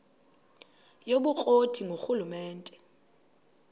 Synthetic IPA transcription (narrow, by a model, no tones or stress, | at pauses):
joɓuk͡xʼotʰiŋɡʱoxulumɛːntʼɛ